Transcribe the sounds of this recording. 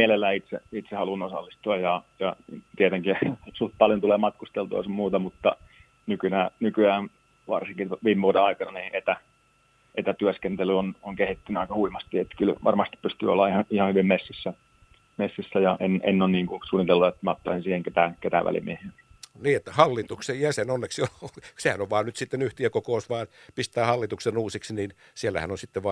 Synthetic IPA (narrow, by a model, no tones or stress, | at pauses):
mielelːæːit̪sḛit̪sehɑlunosɑ̰lːist̪uɑjjɑjɑt̪iet̪eŋkisult̪̚pɑljont̪uleːmɑt̪kust̪elt̪uɑ̰sɑmmuːt̪ɑmut̪ːɑ̰ | nykynæːnykyæːn | ʋɑ̰rsiŋkitʋiːmeʋuodeɑikɑnɑniːet̪æ | ʔet̪æt̪yøskent̪elyonoŋkehit̪ːynyɑikɑhuimɑst̪iet̪ːkylʋʔɑ̰rmɑst̪i̥ppyst̪y̰ːo̰lːɑihɑihɑhyʋimmesːisːæ | mesːisːæjɑʔenḛnːonniːŋkusuːnːit̪elːuet̪ːmɑt̪ːɑisinsiːheŋket̪æket̪æ̰ʋæ̰lḭmiehen | niːet̪ːæhɑlːit̪uksejjæsenonːeksiosehænoʋʋɑːnnyt̪sit̪ːenyht̪iækokousʋɑːnpist̪æːhɑlːit̪uksenuːsiksiniːn | sielːæ̰hæ̰nonsit̪ːeʋʋɑ